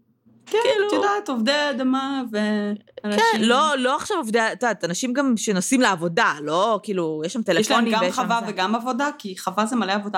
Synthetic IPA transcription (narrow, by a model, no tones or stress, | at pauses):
kɛkilujod̪at̪ovd̪ead̪amaveankaɛʃnlolo̞aχʃavovdeat̪dat̪anaʃimɡamʃe̞nosimleavo̞dalo̞kiːlujɛʃlamt̪eleɛʃfloniɡejχavaveɡamavo̞d̪akiχavazemaleavod̪a